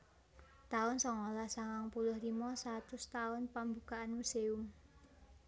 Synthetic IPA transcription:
t̪aʊnsɔŋolasaŋaŋpulʊhɾimɔsat̪ʊst̪aʊnpambukaʔanmuseʊm

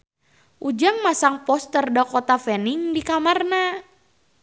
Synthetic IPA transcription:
ʔud͡ʒaŋmasaŋpɔst̪ərdakɔt̪afɛniŋdikamarna

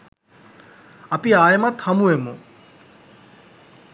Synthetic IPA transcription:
ɐpiaːjemat̪ʰhɐmuemu

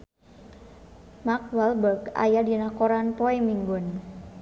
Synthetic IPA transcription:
mak̚walbərɡa̰jadinakoɾanpoɛmiŋɡʊn

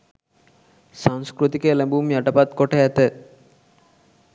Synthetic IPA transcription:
saŋskɾut̪ikelebumjaʈapat̪kɔʈʰeɛt̪e

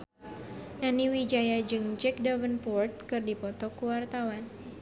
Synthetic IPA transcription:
naniwid͡ʒajad͡ʒɨŋd͡ʒɛk̚davənpɔrt̪̚kɨrdipɔt̪ɔkuwart̪awan

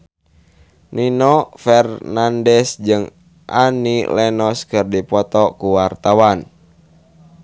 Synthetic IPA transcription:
ninɔfɛrnandɛsd͡ʒɨŋ | ʔanilɛnɔskɨrdipɔt̪ɔkuwart̪awan

